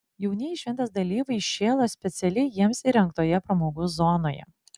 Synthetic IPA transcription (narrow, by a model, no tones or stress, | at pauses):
jɛʊnʲɛɪʃʲʋʲɛnt̪ɐsd̪ɐlʲiːʋɐɪʃʲeːlˠoːsʲpʲɛt̪sʲɛlʲɛɪjiɛmsiɾʲɛŋk̚t̪oːjɛpɾɐmoːɡuzɔnoːjɛ̰